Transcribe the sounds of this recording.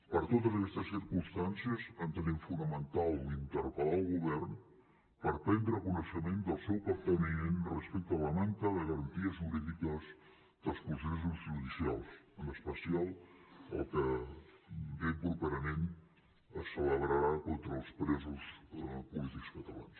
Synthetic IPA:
pəɾt̪ot̪əzəkɛst̪əsiɾkunst̪ansiəzənt̪əneɱfunəmənt̪alˠd̪int̪əɾpəlaəlˠɣuβɛrn | pəɾpɛnd̪ɾəkunəʃəmend̪əlˠsɛwpət̪anienrəspɛk̚t̪əələmaŋkəðəɣəɾənt̪iəzuɾiðikəz | d̪əlˠskusesuzʒuðisia̰lˠsənəspəsialˠə̰lˠkə | bepɾupɛɾəmen | əsːələβɾəɾakont̪ɾəːlˠspɾɛzuspulit̪ikskət̪əla̰ns

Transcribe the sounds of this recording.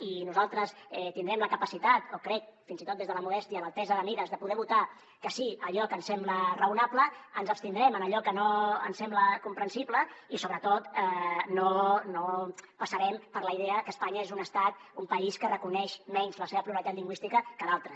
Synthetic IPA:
inuzalˠt̪ɾəsɛt̪ind̪ɾɛmləkəpəsit̪at̪okɾɛk̚finzit̪ot̪̚d̪ezðələmulɛst̪iələlt̪ɛzəðəmiɾəzðəpuðɛβut̪a | kəsiəʎɔkənsɛmblərəunapləənzəpst̪ind̪ɾɛmənəʎɔkənoə̰nsɛmbləkumpɾənsipləisoβɾət̪ot̪ənonopəsəɾɛmpəɾləiðeəəkəːspaɲəezunəst̪at̪umpəiskərəkunɛʃmɛɲzləseβəpɾuəɾəit̪at̪liŋɡwist̪ikəkəðalˠt̪ɾə

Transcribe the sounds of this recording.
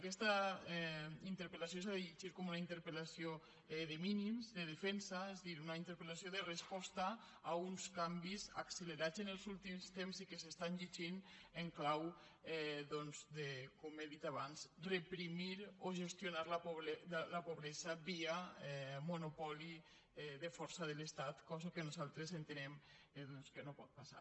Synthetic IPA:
akɛst̪aɛint̪eɾpelas̬jos̬aðeʎiʒiɾkomunaint̪eɾpelasio | ɛðeminimzd̪eð̞efɛnsaezðiɾunaint̪eɾpelasjoðerespɔst̪aː | unskambiza̰kseleɾat͡senelˠzulˠt̪imst̪emzikesest̪anʎiʒineŋklaw | ɛðɔnzðekomeðit̪aβanzrepɾimiɾoʒest̪junaɾlapoβɾɛlapoβɾɛzaβiaɛmunupɔli | ɛðefɔɾsaðelest̪at̪kɔzakenuzalˠt̪ɾezent̪enɛm | ðɔnskenopɔt̪̚pasa̰

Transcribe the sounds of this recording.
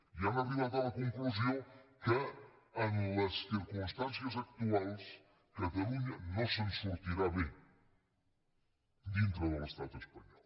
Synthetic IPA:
iɛmɐβiðaðamɐkõŋklˠuzɐ̃w̃kɨɐ̃lɐʃsiɾkũʃt̪ãnsjɐzɐk̚t̪ualˠʃ | kɐt̪ɐlˠuɲɐnɐ̃w̃sɐmuʃuɾt̪iɾaβẽj̃ | d̪ĩnt̪ɾɐðurɐʃt̪at̪ueʃpɐɲɔlˠ

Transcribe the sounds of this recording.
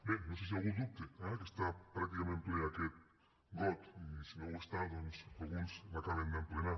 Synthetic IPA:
benõnses̬ialɣũnd̪up̚t̪eɛkest̪apɾak̚t̪ikamẽnt̪eeaket̪̚ | ɡot̪isimeest̪ad̪onsalɣunsakaβend̪emplena

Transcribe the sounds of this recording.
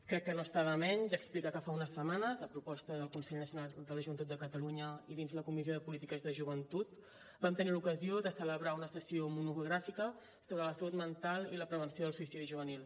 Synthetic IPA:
kɾɛkːənost̪aβəmɛɲzaəksplikakəfaunəsəmanəzəpɾupɔst̪əðəlˠkunsɛʎnəsiunald̪ələʒuβənt̪ut̪d̪əkət̪əluɲəiðinzləkumizioðəpulit̪ikəzðəʒuβənt̪ut̪ | bamt̪ənilukəzioðəsələβɾaunəsəsiomunuɣɾafikə | soβɾələsəlut̪mənt̪alˠiləpɾəβ̞ənsioð̞əlˠsuisiðiʒuβ̞ənilˠ

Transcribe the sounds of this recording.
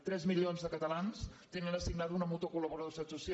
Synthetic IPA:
t̪ɾɛzmiʎionzðəkət̪əlanst̪enənəsiɡnaðunəmut̪okuləβuɾəðosat̪sus

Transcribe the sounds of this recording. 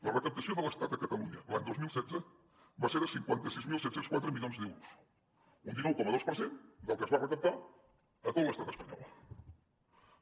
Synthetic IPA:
lərəkəp̚t̪əsioðələst̪at̪̚d̪əkət̪əluɲəəlaɲd̪ozmilˠsɛd͡zə | baseɾðəsiŋkwant̪əsizmilˠsɛt̪senskwat̪ɾəmiʎonzd̪ɛwɾus | und̪inuwkɔməð̞ospəɾsend̪əlˠkəzβarəkəp̚t̪a | ət̪ot̪ləst̪at̪əspəɲɔ̰lˠ

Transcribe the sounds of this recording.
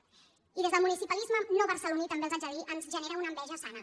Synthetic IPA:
iðezðəlˠmunisipəlizmənoβərsəlunit̪əmbelˠzəʒəliʔənzʒəneɾəunəmbɛʒəsanə

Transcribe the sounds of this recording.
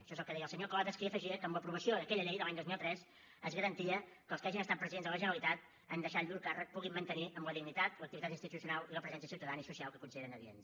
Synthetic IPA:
ʃɔezəlˠkəðɛjəlˠsəɲoklat̪əskiəfəʒiəkəːmləpɾuβəsioðəkɛʎəʎɛjðəlaɲd̪ozmilˠt̪ɾɛs | əzɣəɾənt̪iəkəlˠskaʒinəst̪at̪̚pɾəziðenzðələʒənɾəlit̪at̪̚ | ənd̪əʃaʎuɾkarək̚puɣimːənt̪əniʔəmləðiɡnit̪at̪ləkt̪it̪at̪inst̪it̪usiunaliləpɾəzɛns̬iəsiuwt̪əðanisusialˠkəkunsiðeɾənəðiḛn

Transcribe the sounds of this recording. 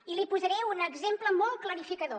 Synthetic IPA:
ilipuzəɾɛunəɡzempləmɔlˠt̚kləɾifikəðo

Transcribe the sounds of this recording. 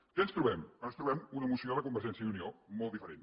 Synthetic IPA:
kɛənst̪ɾuβɛmɔnst̪ɾuβɛmunəmusioləkumbəɾʒɛnsjəiuniomɔlˠifəɾen

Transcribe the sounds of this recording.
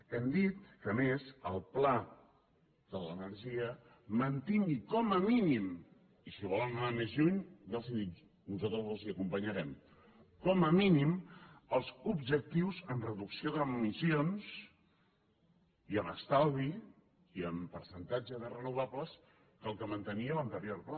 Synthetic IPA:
ɛmd̪it̪̚kəmesəlˠpla | ðələnəɾʒiə | mənt̪iŋɡikɔməminim | isiβɔlˠənnamezʎuɲnalˠziðit̪ | nuzat̪ɾəzəlˠziəkumpəɲəɾɛm | kɔməminiməlˠzubʒək̚t̪iwzənrəðuksioðəumisions | iəməst̪alˠβi | iəmpəɾsənt̪ad͡ʒəðərənuβ̞apləs | kəlˠkəmənt̪əniələnt̪əɾjoɾpɾ

